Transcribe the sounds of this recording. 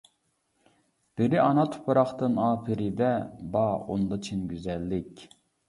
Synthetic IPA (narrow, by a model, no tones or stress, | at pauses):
b̥ɪɾɪʔɑnɑt̪ʰʊ̥pʰɑɾɑχt̪ɨnɑːpʰɪɾɪd̪ɛbɑo̰nd̪ɑt͡ʃʰinɡʲyzɛlːɪkʲ